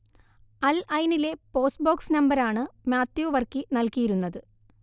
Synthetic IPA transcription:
ɐlɐjnile̞po̞ːsbo̞ːksnɐmbɐɾaːɳɨmʲjaːt̪joːʋɐrkinɐlkijiɾunːɐðɨ

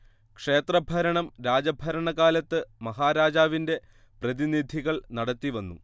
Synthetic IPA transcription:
kʂe̞ːt̪rɐbʱɐɾɐɳɐmɾaːd͡ʑɐbʱɐɾɐɳɐɣaːlɐt̪ːɨmɐɦaːɾaːd͡ʑaːʋinde̞ | prɐðinid̪ʱiɣɐɭnɐɽɐt̪ːiʋɐnːṵ

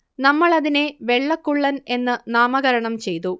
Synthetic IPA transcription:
nɐmːɐɭɐðine̞ʋe̞ɭːɐkːuɭːɐne̞nːɨnaːmɐɣɐɾɐɳɐmt͡ɕe̞jt̪u

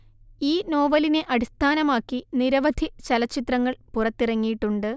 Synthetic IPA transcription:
iːno̞ːʋɐline̞ʔɐɽist̪ʰaːnɐmaːkːiniɾɐʋɐd̪ʱit͡ɕɐlɐt͡ɕːit̪rɐŋːɐɭpurɐt̪ːirɐŋːijiʈːuɳɖɨ

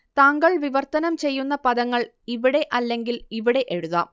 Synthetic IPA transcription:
t̪aːŋɡɐɭʋiʋɐrt̪ɐnɐmt͡ɕe̞jːunːɐpɐðɐŋːɐɭ | iʋiɽe̞ʔɐlːe̞ŋɡiliʋiɽe̞ʔeɻuðɐ̰ː

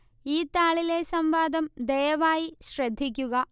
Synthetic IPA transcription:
iːt̪aːɭile̞sɐmʋaːd̪ʱɐmd̪ejɐʋaːjiɕrɐd̪ʱːikʲːuɣɐ

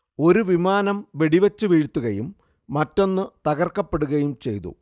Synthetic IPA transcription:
o̞ɾuʋimaːnɐmʋeɽiʋɐt͡ɕːɨʋiːɻt̪ːuɣɐjumː | ɐtːo̞nːɨt̪ɐɣɐrkːɐpːe̞ɽuɣɐjumt͡ɕe̞̰jt̪ṵ

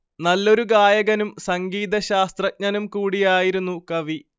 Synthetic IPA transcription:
nɐlːo̞ɾuɡaːjɐɣɐnumsɐŋɡiːd̪ɐɕaːst̪rɐt̚ɲɐnumkuːɽijaːjiɾunːukɐʋi

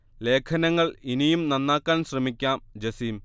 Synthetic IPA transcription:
le̞ːkʰɐnɐŋːɐɭinijumnɐnːaːkːaːnɕrɐmikʲːaːmd͡ʑɐsiːm

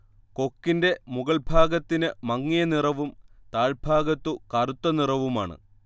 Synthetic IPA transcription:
ko̞kːinde̞muɣɐɭbʱaːɡɐt̪ːinɨmɐŋːijɐnirɐʋumt̪aːɭbʱaːɡɐt̪ːukɐrut̪ːɐnirɐʋumaːɳɨ̰

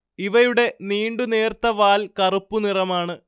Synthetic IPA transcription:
iʋɐjuɽe̞niːɳɖune̞ːrt̪ːɐʋaːlkɐrupːunirɐmaːɳɨ

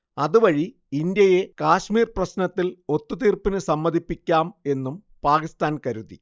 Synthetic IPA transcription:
ɐðuʋɐɻi | ind̪jɐje̞kaːɕmiːrprɐɕnɐt̪ːilo̞t̪ːut̪iːrpinɨsɐmːɐðipːikʲːaːme̞nːum | paːkist̪aːnkɐɾuðḭ

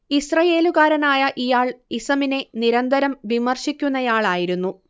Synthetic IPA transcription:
isrɐje̞ːluɣaːɾɐnaːjɐʔijaːɭisɐmine̞niɾɐnd̪ɐɾɐmʋimɐrɕikʲːunːɐjaːɭaːjiɾunːu

